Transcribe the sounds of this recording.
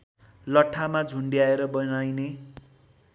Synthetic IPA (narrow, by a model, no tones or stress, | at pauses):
lʌʈʰːamad͡zʱuɳɖijaeɾʌbʌnajne